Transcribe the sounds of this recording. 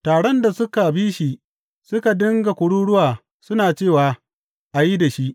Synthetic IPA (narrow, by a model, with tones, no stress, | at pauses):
taː˨ɽɔ˦nda˨sʊ˦ka˨biː˦ʃi˨ | sʊ˦ka˨dɪ˦ŋɡa˨kʷʊ˨ɽuː˦ɽʊ˦waː˨ | sʊ˦naː˨t͡ʃeː˦˨waː˨ | ʔa˨ji˦da˨ʃi˦ʔ